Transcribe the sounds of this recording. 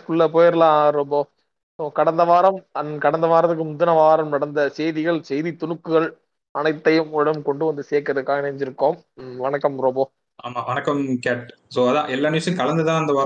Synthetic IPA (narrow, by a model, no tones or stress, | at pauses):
kʊɭːɐpoːjɐɾlãːɾɔmbo | soːkɐɽɐnd̪ɐʋaːɾɐmɐnkɐɽɐnd̪ɐʋaːɾɐt̪ːɯk̬ːɯmʊd̪ɯnɐʋaːɾɐmnɐɽɐnd̪ɐsɛjðɪɣɐɭsɛjðit̪ʊɳɯkːɯɣɐɭ | ɐnɐɪt̪ːɐjɯmɔɽɐɯmkɔɳɖɯʋɐnd̪ɯseːkːɐɾɐðɯkːaːɣɐnɐɲd͡ʒɪɾɯkːoːm | ʋɐnɐkːɐmɾɔboː | aːmaːʋɐnɐkːɐmkaːʈ | soːɐðã̰ːʔɛlːaːnɐsɐjɯ̃kɐlɐnd̪ɯt̪ãːɐnd̪ɐʋaːɾ